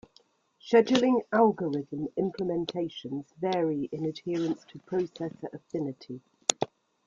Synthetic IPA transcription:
ʃɛd͡ʒəlɪ̃ŋalˠɡəɹɪðə̃mɪ̃mpʰlɪmɛ̃ntʰeɪʃə̃nzvɛːɹiɪ̃nəd̥hɪəɹə̃nstʰəpʰɹ̥əʊsɛsəʔəfɪnɪtʰi

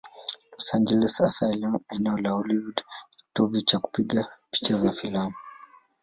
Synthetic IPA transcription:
lɔsand͡ʒɛlɛsasajlanɛnɛɔlaɔliudki̥tɔvit͡ʃaku̥piɠapi̥t͡ʃazafilamu

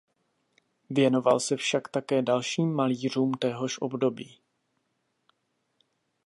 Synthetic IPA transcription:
vjɛno̞va̰lsɛfʃakt̪akɛːdalʃiːmːaliːr̝uːmt̪ɛɦo̞ʃʔo̞̰bdo̞biː

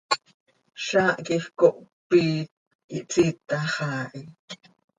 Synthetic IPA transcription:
ʃaːʔkiχkoʔpi | kiʔt͡sit̪aχɑːʔi

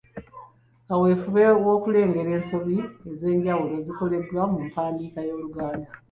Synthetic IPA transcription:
kawe̞ːfuβewo̞ːkule̞ːŋɡe̞ɾe̞ːnso̞βieze̞ːɲɟawulo̞ziko̞le̞βlamumpaːndiːkajo̞ːluɡaːnda

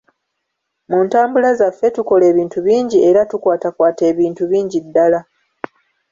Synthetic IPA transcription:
muntaːmbulazafːe̞tuko̞le̞ːβiːntuβiːɲɟie̞ɾatukwaːtakwaːte̞ːβiːntuβiːɲɟidːala

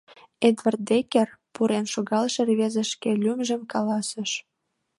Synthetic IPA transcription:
ed̪βɑrt̪̚d̪ekerpuɾenʃoɣɑlʃĕrβezə̆ʃkelʲymʒə̆mkɑlɑsə̆ʃ

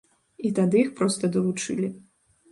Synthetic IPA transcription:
it̪ad̪ɨixpɾɔst̪ɐd̪ɐlˠut͡ʂɨ̰lʲi

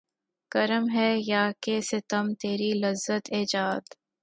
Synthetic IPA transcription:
kɐɾəmɦɛːjaːkeːset̪ɐmt̪eːɾilɐzːət̪eːd͡ʒaːd̪

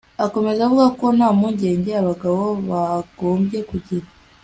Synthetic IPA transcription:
ako̞me̞zaβuɡakonamuɲɟe̞ːɲɟeaβaɡaβo̞βaɡ̥o̞ːmbje̞kuɟiɾa

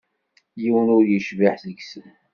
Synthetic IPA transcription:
jiwənʊɾjəʃvaħzəɡsən

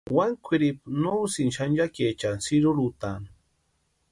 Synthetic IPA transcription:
waŋkʷʰiɾipnowsinʃanjaket͡ʃansiɾuɾut̪an

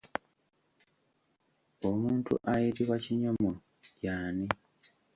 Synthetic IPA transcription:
omuːntṵʔajiɾiβwaciɲomo | jaːni

